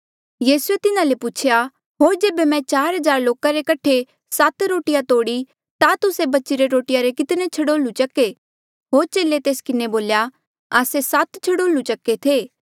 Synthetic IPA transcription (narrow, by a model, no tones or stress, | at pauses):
jiːsuet̪ɪnãlepʊt͡ʃʰja | ɦoːɾd͡ʒeːbemɛ̃t͡ʃaːɾɦɐzaːɾloːkaɾekɐʈʰe | sat̪ɾoːʈɪjat̪oːɽi | t̪at̪ʊsebɐtːʃiɾeɾoːʈɪjaɾekɪt̪net͡ʃʰɐɽoːlũt͡ʃɐke | ɦoːɾt͡ʃeːlet̪eːskɪneboːlja | aːsesat̪t͡ʃʰɐɽoːlũt͡ʃɐkːet̪ʰeː